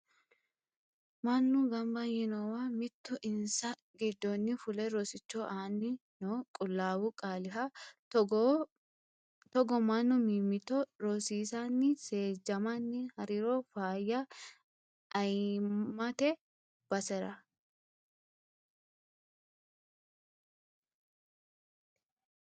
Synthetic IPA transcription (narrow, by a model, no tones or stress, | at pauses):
mɐnːʊɡɐmbɐɛnowamɪt̪ːʊʔɪnsɐ | ɡɪd̪ːonːɪfʊlɛɾoːsɪt͡ʃːoːʔaːnːɪnokʼʊlːaːwʊkʼaːlɪɦɐ | t̪ɔɡɔmɐnːʊmiːmːɪt̪ɔɾoːsiːsaːnːɪse̞ːd͡ʒɐmanːɪhɐɾiːɾoːfaːjːɐ | ɐjmɐt̪ɛ | b̥ɐsɛɾɐ